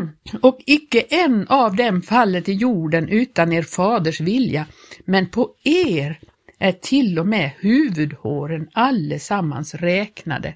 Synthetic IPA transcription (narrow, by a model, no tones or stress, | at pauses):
ɔkɪkːəʔɛnːavd̪ɛmfalːət̪ɪjuːɖənʔʉ̟ːt̪aneːɾfɑːd̪əʂvɪljamɛnpʰɔeːɾ | ʔæʈʰɪlːɔmɛːhʉ̟ːvɵd̪hoːɾənalːəsamːa̰nsɾɛːkna̰d̪ə̰